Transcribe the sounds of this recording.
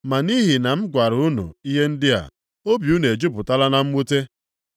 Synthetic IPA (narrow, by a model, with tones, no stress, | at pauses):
ma˨ni˦ɦi˨na˨m̩˦ɡʷa˨ɾʊ˦nṵ˨i˦ɦe˦n̩˦dɪ˦a̰˨ | o˦bju˦ne˨d͡ʒu˦pʊ˨ta˦la˦na˦m̩˦mu˦te˦